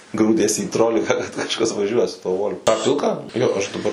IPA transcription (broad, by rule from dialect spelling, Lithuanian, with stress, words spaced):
ˈɡruːdʲiɛs iː ˈtroːlʲɪkɐ kɐt kɐʃˈkɐs ʋɐˈʒʲuɔjɛ sʊ tuɔ ˈʋoːlʲ tɑː ˈpʲɪlˠkɑː ˈjoː ˈɐʃ dɐˈbɐr